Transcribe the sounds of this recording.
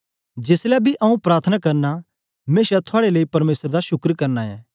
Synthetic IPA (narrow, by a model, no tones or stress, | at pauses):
d͡ʒeːslɛbʱiʔɐũpɾaːɾt̪ʰənakɐɾna | meːʃat̪ʰʊaːɽeləipɐɾmeːsəɾd̪aʃʊkɾkɐɾnaɛ̰ː